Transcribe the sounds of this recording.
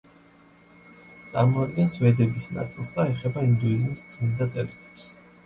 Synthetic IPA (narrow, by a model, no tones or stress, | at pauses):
t̪sʼa̰ɾmɔad̪̚ɡɛnsvɛd̪ɛbisna̰t̪sʼilˠsd̪aɛχɛbaind̪uizmisd̪zmind̪at̪sʼɛɾikɛps